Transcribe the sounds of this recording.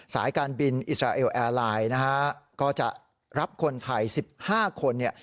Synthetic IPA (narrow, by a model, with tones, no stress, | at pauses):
sa̰ː˩˦jkaː˧nbi˧nʔḭ˨˩t̪̚ɾaː˧ʔeː˧wʔɛː˧laː˧jna˦˥kʰa˦˥kɔː˥˩t͡ɕa̰˨˩ʔ | ɾa˦˥p̚kʰo˧nt̪ʰa˧jsi˨˩p̚haː˥˩kʰo˧nːi˥˩